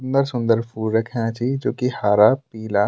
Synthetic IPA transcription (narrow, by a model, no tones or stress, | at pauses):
nd̪əɾsʊ̃nd̪əɾpʰuːɾɐkʰjãt͡ʃʰid͡ʒoːkihaːɾapiːla